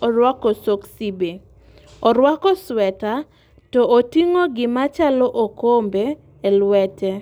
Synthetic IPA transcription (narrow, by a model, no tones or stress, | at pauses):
ɔɾwakɔsoksibe | ɔɾwakɔswɛta | tɔʔotiŋoɡɪmat͡ʃalɔʔokombeː | lwɛtɛ